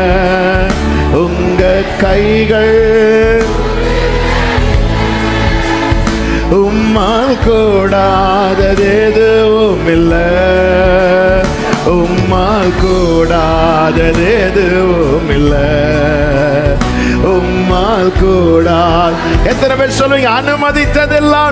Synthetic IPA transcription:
ʊŋ | ɡɐ | kɐɪɣɐɭ | ʊmːaːlkuːɽaː | ðɐðeːðɯʊmɪlːɐ | ʊmːaːlkuːɽaː | ðɐðeðɯ | ɔmɪlːɐ | ʊmːaːlkuːɽaːl | ɛt̪ːɐnɛpeːɾsɔlːʋiːŋɡɐːnɯmɐðɪt̪ːɐðɪlːaː

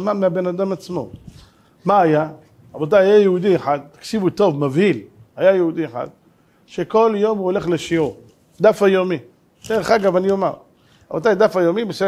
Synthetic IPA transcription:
mameabenad̪amat͡smo̞̰ | maaja | abot̪̬ajajajehud̪ieħad̪̚t̪ḁkʃivut̪o̞vmavhilhajajeud̪ieħa̰d̪ | ʃeko̞ljo̞muoleχleʃiu | d̪afajomi | d̪̥eʁeχaɡavanijomaʁ | abot̪ajd̪afajomibese

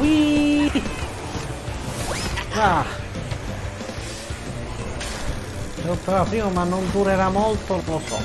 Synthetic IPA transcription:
i | ɾa | sot̪ːaɾapɾiːmomanːond̪uɾeɾamolt̪olosɔ̰

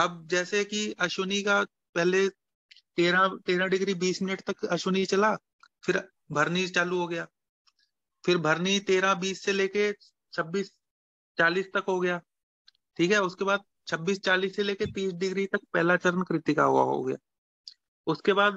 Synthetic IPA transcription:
ɐbd͡ʒɛːsekiɐʃoːnika | pɛɦle | t̪eːɾãt̪eːɾãɖɪɡɾibiːsmɪnəʈt̪ɐkɐʃoːnit͡ʃɐlaː | fʰɪɾ | bʱɐɾnit͡ʃaːluɦoɡɐjaː | fʰɪɾbʱɐɾnit̪eːɾãbiːsːeleːke | t͡ʃʰɐbːiːs | t͡ʃaːliːst̪ɐkɦoɡɐjaː | ʈʰiːkɦɛʊskebaːd̪̚ | t͡ʃʰɐbːiːst͡ʃaːliːsːeleːket̪iːsɖɪɡɾit̪ɐk̚pɛɦːlat͡ʃɐɾənkɾɪt̪ika̰ɦʊ̰a̰ɦo̰ɡɐja̰ː | ʊskebaːd̪

